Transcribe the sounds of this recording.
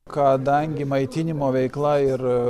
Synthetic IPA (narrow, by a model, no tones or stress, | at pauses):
kɐd̪ɐŋʲɡʲɪmɐɪt̪ʲɪnʲɪmoːʋʲɛɪklˠɐɪɾ